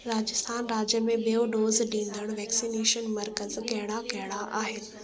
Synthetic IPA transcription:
ɾaːd͡ʑɪst̪ʰaːnɾaːd͡ʑjəmẽɓijoɖoːzɗĩːn̆d̪əɽ̃ʋɛːksiːneːʃənmɐɾkəzkɐɦɪɽ̃akɐɦɪɽaʔaːɦɪnɪ̆

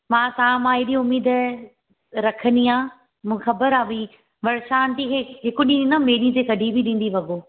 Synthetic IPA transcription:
mãːt̪ɐãmãːɪɗiʊmiːd̪ | ɾɐkʰənd̪iãː | mũːxɐbəɾaːʋi | ʋɐɽʃaːnt̪ikʰeɦɪkʊɗĩĩnãmeːɾit̪ekɐɖʱibiɗĩːn̆d̪iʋɐɡoː

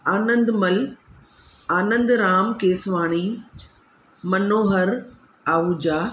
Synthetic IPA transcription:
aːnə̃nd̪mɐl | aːnə̃nd̪ɾaːmkeːsʋaːɽ̃iː | mɐnoːɦəɾ | aːuːd͡ʑaː

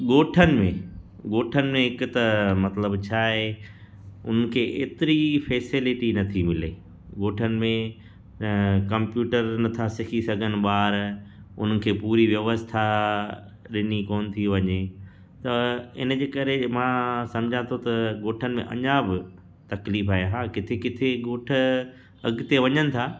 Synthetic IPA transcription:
ɠoːʈʰənɪ̆mḛ̃ | ɠoːʈʰənɪ̆mẽɦɪkʊt̪ɐmɐt̪ləbt͡ɕʰaːɦe | ʊ̰n̤ənɪ̆kʰeːʔeːt̪ɪɾifeːsɪlɪʈinɐt̪ʰimɪleː | ɠoːʈʰənɪ̆mẽ | kɐ̃mpjuːʈəɾnɐt̪ʰasɪkʰisɐɡʱənɪ̆ɓaːɾʊ̰n̤ənɪ̆kʰeːpuːɾiʋjɐʋəst̪ʰa | ɗɪnikɔːnt̪ʰiʋɐɲe | t̪ɐɪ̰n̆d͡ʑeːkɐɾemãːsɐ̃md͡ʑʱãt̪ʰot̪ɐɠoːʈʰənɪmḛ̃ʔɐ̰ɲabɪ | t̪ɐkliːfaːɦeɦaːkɪt̪ʰekɪt̪ʰeɠoːʈʰə̆ | ɐɡt̪eʋɐɲənɪ̆t̪ʰaː

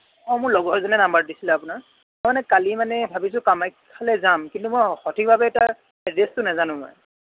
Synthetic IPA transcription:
ɔ̃mʊɹlɔɡɔzɔnɛnambaɹdisilɛapʊnaɹ | mɔjmanɛkalimanɛbʱabis̬ʊ̃kamajkʰːalɛzamkintumɔjxɔtʰik̚bʱabɛːta | ɛdestʊnazanʊ̃mɔ̰j

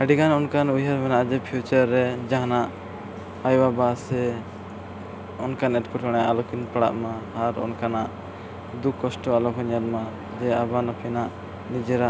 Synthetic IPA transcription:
əɖiɡanɔnkanujɦaɾmɛnaʔd͡ʒɛpʰijut͡ʃaɾːɛd͡ʒaɦanaʔ | ajwabasɛ | ɔnkanɛʈ̚kɔʈʰɔɽ̃ajaʔalɔkinpaɽa̰ʔmaaɾɔ̰nkanaʔ | d̪ukːɔsʈɔalɔkʰɔɲalma | d͡ʒɛabanɔpʰɛnaʔ | nid͡ʒɛɾa

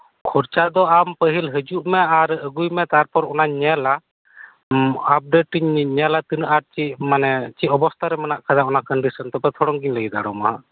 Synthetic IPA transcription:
kʰɔɾt͡ʃad̪ɔampəɦilɦəd͡ʒuʔmɛaɾəɡujmɛt̪aɾpɔɾɔnaɲɛla | ap̚ɖeʈiɲɲɛlat̪inʔaɾt͡ʃimanɛt͡ʃiʔɔbɔst̪ʰaɾɛmɛnaʔkʰad̪aʔɔnakəɳɖisɔnt̪ɔpɛt̪ʰɔɽɔŋɡiɲləɡid̪a̰ɽɔma̰a̰

